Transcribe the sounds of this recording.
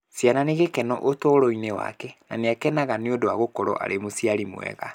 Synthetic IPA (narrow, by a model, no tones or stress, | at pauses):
sjananeɣekɛnɔ̰ʔotoɾoinewa̰kɛna̰neakɛnaɣaneodoaɣokɔɾɔ̰ʔa̰ɾemosiaɾimw̰ɛ̰ɣa̰